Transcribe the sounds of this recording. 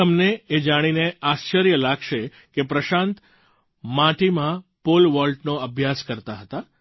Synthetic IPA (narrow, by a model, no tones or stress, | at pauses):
əmneed͡ʒaɽ̃ineaʃt͡ʃəɾjəlaɡʃe | kepɾəʃãnt̪ | mãʈimãpolʋɔlɖnoəbʱjaskəɾt̪aɦət̪a